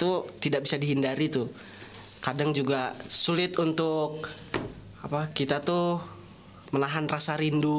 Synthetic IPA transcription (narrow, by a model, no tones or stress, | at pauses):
t̪ut̪idak̚bisadiɦindaɾit̪ʊ | kadaŋd͡ʒuɡasulɪt̪unt̪ʊk̚ | apakit̪at̪u | məlaɦanrasaɾindu